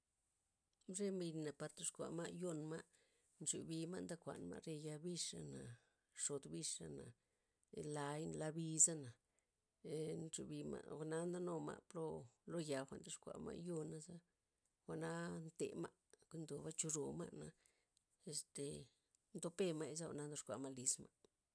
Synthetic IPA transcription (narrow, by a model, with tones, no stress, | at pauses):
mʐe˦mbi˧nna˨pa˧ɾt̪o˧ʂkʷa̰˨ma˦jo˦nma˦ | nt͡ʃṵ˨bi˧ma˦nd̪a˦kʷa̰˨nma̰˧ɾe˧ja˧bi˦ʂa˧na˨ | ʂo˨d̪bi˧ʂa˧na˨˧ | la˧jnla˧bi˧za˦na˨ | nt͡ʃṵ˧bi˧ma̰˧xʷa˧na˦nd̪a˦no˧ma̰˧plo˦lo˦ja˨xʷa̰˨nd̪o˧ʂkʷa̰˨ma̰˦˧jo˦na˧za˦ | xʷa˨na˦nt̪ḛ˨ma˦ | kʷi˧˦nd̪o˨βa˦t͡ʃu˧ɾo˨ma̰˦na˧ | e˧st̪e˨ | nd̪o˧pe˧ma˦˧i˧za˦xʷa̰˧˨na˦nd̪o˧ʂkʷa̰˨ma˦li˧sma˦